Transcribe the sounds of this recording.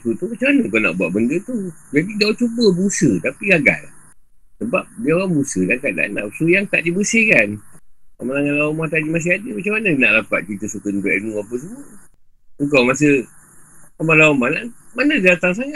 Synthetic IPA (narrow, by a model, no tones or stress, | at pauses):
t̪ut̪umat͡ʃamanəkana̰ʔbuaʔbəndət̪u | d͡ʒadidawt͡ʃubəbəusət̪apiɡaɡa̰l | səbap̚diawabəusədakat̪̚da̰ʔna̰psujaŋt̪aʔdibəsɪhkana̰maaŋalaumaht̪aʔd͡ʒimas̬ɪhadəmat͡ʃamanənaʔlapat̪̚kit̪əsukənt̪aʔnuapəs̬əmuə | əŋkawmasə | amalaumahnaʔmanədat̪aŋs̬aŋa